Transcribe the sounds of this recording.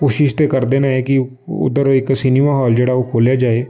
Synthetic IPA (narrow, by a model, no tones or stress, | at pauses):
kuːʃɪʃt̪eːkəɾd̪eːnaːɦɛːkɪ | ʊ̰d̪əɾɪksiniːmaːɦɔːld͡ʒeːɽaːoːkʰoːljaːd͡ʒaːeː